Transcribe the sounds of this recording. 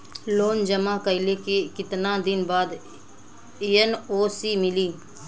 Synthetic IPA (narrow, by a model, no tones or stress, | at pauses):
loːnd͡ʒəmãːkəɪlekekɪt̪nãːd̪ɪnbaːd̪ | eənoːsiːmɪliː